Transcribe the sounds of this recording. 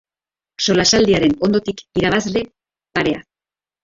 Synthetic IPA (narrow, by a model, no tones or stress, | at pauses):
so̞lasald̪iaɾe̞no̞nd̪o̞t̪ikiɾaβ̞azle̞ | paɾe̞a̰